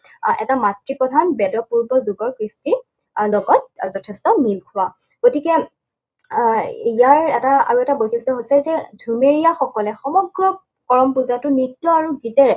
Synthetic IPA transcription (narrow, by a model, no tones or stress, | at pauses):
ɛ̰tamatɹipɹɔdʱanbɛdɔpuɹbɔzuɡɔɹkɹisti | lɔɡɔt̚zɔtʰɛstɔmilkʰʊwa | ɡ̥otikɛ | ijaɹɛtaa̰ɹuɛtabotʰistɔɦojsɛzɛdʱumeɹijaxɔkɔlɛxɔmɔɡɹɔ | kɔɹɔmpuzatʊnitːɔaɹuɡitɛɹɛ